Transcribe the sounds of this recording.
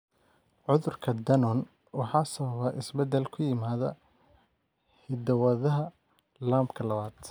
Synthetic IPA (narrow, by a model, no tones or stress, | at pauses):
ʕʊðʊrkʰɐd̪ɐnɔn | wɑħɑːsɐβɐβɐʔɪsbɛd̪ɛlkʰʊjɪmaːðɐ̰ | hɪd̪ɐwɐðɐɦɐ | laːmbkʰɐlɐβaːd̪̥